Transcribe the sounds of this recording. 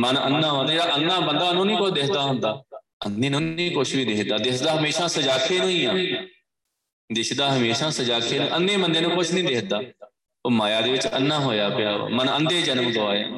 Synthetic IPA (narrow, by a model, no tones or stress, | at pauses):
mənə̰nːãːɦoãːt̪ad͡ʒeːɽaːʔənːaːbənd̪aːnũːnĩːkʊʃʰd̪ɪsʰd̪aːɦʊnd̪aː | ənd̪eːnũːĩːkʊʃʰʋiːd̪ɪkd̪aːd̪ɪsd̪aːɦəmeːʃãːsəd͡ʒaːkʰeːnũːĩːãː | d̪ɪsd̪aːɦəmeːʃãːsəd͡ʒaːkʰeːnũːʔənd̪eːbənd̪eːnũːkʊt͡ʃʰnĩːd̪ɪsd̪aː | oːmaːjaːd̪eːʋɪt͡ʃə̰nːãːɦoːjaːpɪja̰ːmənənd̪eːd͡ʒənəmɡəʋaːja̰ː